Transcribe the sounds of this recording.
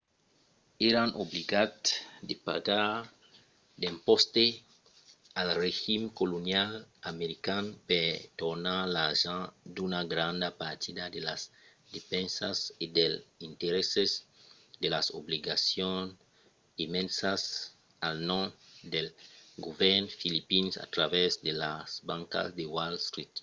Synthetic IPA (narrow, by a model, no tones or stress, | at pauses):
eɾanʔobliɡad̪sd̪epa̰ɡaɾ | d̪ẽmpost̪e | alreʒimkolonjalameɾikanpet̪oɾnalaʒãd̪unaɡɾãnd̪apaɾt̪id̪ad̪elas | d̪efẽnsasid̪elint̪eɾesez | d̪elasobliɡasjõn | imẽnsas | alnõmd̪elɡovɛɾnfilipinsa̰t̪ɾaβezd̪elasbãŋka̰zd̪ewalst̪ɾit̪